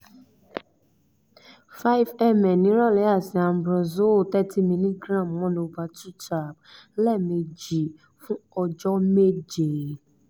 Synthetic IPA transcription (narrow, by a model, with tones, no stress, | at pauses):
fa˦i˦vɛ˦˨mɛ̃˨nĩ˨˦ɾɔ˦˨lɛ˨˦a˦˨sĩ˨a˨˧˨bɾɔ˨zo˦˨tɛ˦ti˦mĩ˧nĩ˦ɡɾã˦˨mwɔ̃˦ñ˧o˧va˧tu˦ta˨b̚lɛ˦˨mĩ˧d͡ʒi˨ | fũ˦ɔ˧d͡ʒɔ˦me˦d͡ʒe˨